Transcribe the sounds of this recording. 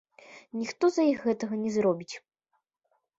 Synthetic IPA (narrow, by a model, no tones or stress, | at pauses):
nʲixt̪ɔzɐjixɣɛt̪ɐɣɐnʲɛzɾɔbʲit͡sʲ